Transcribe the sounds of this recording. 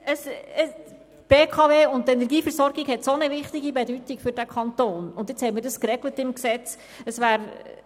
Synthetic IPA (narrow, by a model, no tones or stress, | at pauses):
əsə | b̥eːkʰɑveːʊnttːɛnɛɾɡiːfəɾsɔɾɡiɡhɛtsonəvɪχtɪɡibɛdytikfʏɾdækʰɑnt̪oːnʊnd̪jɪt͡shɛɪmɪːɾdəskɾɛɡlətɪmksɛt͡s | əsvæːɾ